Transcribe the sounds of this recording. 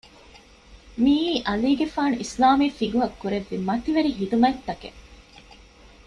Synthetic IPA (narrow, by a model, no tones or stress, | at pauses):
miːʔɐliːɡefaːnuʔislaːmiːfiɡuɦɐkːuɾeʋːimɐt̪iʋeɾiɦit̪umɐt̪ːɐkḛ